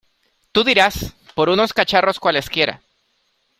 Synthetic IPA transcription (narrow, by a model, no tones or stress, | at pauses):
t̪uðiɾaspo̞ɾuno̞skat͡ʃaro̞skwale̞skje̞ɾa̰